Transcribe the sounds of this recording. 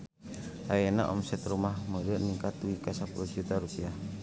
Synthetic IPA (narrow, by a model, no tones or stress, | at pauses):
ajana̰ʔɔ̰msɛt̪ɾumahmədəʔniŋkat̪uikasapulud͡ʒut̪aɾupia